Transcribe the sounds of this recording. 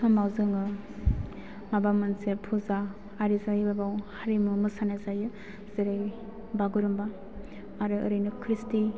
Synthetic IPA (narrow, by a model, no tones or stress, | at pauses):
samawzɯŋɯ | mabamɯnsepʰuzaː | ɾizajbabawhaɾimumɯsanazajɯ | z̥eɾej | baɡuɾɯmbaː | ɾɯɯɾɯjnɯkʰɾisti